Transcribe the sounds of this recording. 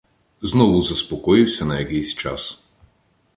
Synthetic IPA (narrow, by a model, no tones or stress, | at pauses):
znɔʋʊzɐspɔkɔjɪwsʲɐnɐjɐkɛjsʲt͡ʃa̰s